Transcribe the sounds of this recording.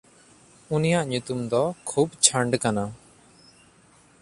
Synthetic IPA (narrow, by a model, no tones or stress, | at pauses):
unijaʔɲut̪umd̪ɔkʰubt͡ʃʰaɳɖkana